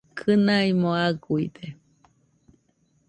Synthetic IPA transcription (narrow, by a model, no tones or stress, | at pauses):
kʰɨnaimõaɡuid̪e